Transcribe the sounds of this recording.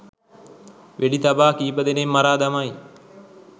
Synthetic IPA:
ʋʔeɖit̪abaːkiːbəd̪enemːaɾaːd̪amaj

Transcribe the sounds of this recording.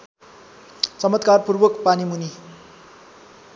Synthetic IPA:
t͡sʌmʌt̪̚karpurwʌkpanimuni

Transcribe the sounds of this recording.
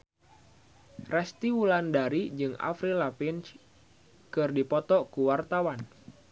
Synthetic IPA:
rɛst̪iwulandaɾid͡ʒɨŋa̰fɾilapins | kɨrdipɔt̪ɔkuwart̪awan

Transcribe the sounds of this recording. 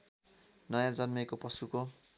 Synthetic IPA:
nʌjãd͡zʌnmʌjkopʌsuko

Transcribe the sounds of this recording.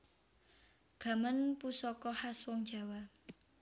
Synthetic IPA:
ɡ̥a̤mənpusɔkɔhaswɔŋd̥ʒ̥a̤wa

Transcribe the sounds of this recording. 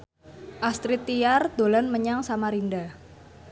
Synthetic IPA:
ʔast̪ɾit̪ːiard̪̥olanməɲaŋsamaɾinda

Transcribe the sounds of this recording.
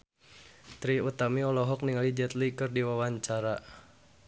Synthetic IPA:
t̪ɾiut̪amiɔlɔɦɔk̚niŋalid͡ʒɛt̪likɨrdiwawaɲt͡ʃaɾa

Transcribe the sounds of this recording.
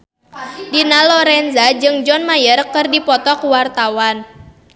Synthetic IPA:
dinalɔɾɛnzad͡ʒɨŋd͡ʒɔnmajərkɨrdipɔt̪ɔkwart̪awan

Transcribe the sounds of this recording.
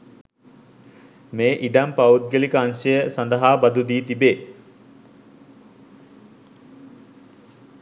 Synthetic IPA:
meːʔiɖampaut̪̚ɡelikəansəjəsand̪əɦaːbɐd̪ud̪iːt̪ibeː

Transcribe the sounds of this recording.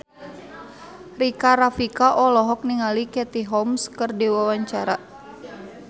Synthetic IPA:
rikaɾafikaʔɔlɔɦɔk̚niŋalikɛt̪iɦɔmskərdiwawaɲt͡ʃaɾa

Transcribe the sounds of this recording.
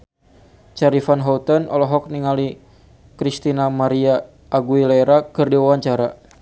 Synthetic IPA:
t͡ʃaɾifanɦɔut̪ənɔlɔɦɔk̚niŋali | kɾist̪inamaɾia | ʔːɡuilaɛɾakɨrdiwawaɲt͡ʃaɾa

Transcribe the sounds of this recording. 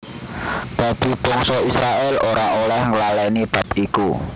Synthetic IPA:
d̪̥a̤d̪̥i̤b̥ɔŋsɔisɾaʔɛloɾaʔolɛhŋəlalɛnib̥a̤p̚iku

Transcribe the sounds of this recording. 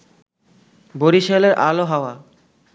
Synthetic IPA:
boɾiʃeleɾʔa̰loɦaoa

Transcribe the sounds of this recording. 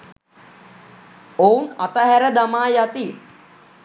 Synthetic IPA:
ounat̪əɦæɾəd̪amaːjat̪i

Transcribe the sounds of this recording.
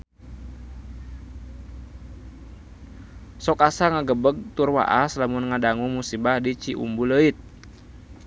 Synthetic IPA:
sɔkasaŋaɡəbəɡ̚t̪urwa̰ʔaslamunŋadaŋuŋmusibahdit͡ʃiʔṵmbuləit̪̚

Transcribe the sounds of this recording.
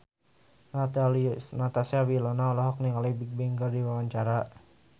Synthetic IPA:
nat̪alinat̪asiawilɔnaɔlɔɦɔk̚nikalibik̚bɛŋɡərdiwawaɲt͡ʃaɾa

